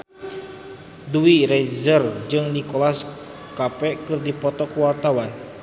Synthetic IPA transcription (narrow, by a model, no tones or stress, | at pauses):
duwiɾɛzərd͡ʒɨŋnikolas | kapɛʔkɨrdipɔt̪ɔkəwart̪awan